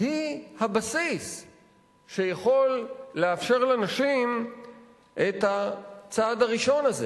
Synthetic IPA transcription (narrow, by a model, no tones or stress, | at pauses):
hihabasis | ʃe̞jaχo̞lːeafʃe̞ʁlenaʃim | ʔe̞t̪hat͡sad̪aʁiʃo̞naze̞